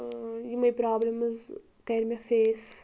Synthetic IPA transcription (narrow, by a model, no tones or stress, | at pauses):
imɐjpɾɔblemɐz | kɛɾmʲɐfes